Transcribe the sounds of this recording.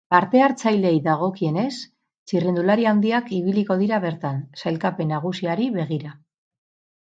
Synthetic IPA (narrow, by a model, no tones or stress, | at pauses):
paɾt̪e̞aɾt͡sajle̞jðaɣ̞o̞kie̞ne̞s | t͡sirind̪ulaɾiawnd̪iakiβ̞iliko̞ð̞iɾaβ̞e̞ɾt̪ansajlkape̞naɣ̞usiaɾiβe̞ɣ̞iɾa